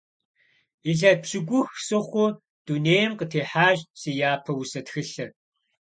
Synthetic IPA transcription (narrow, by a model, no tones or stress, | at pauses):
iɮɐpɕɪɡʷʊxsɨχʷʊ | d̥uneːjɛmqətʰeːħaːʑsiːjaːpʰɐwusɐtxɨɬɐr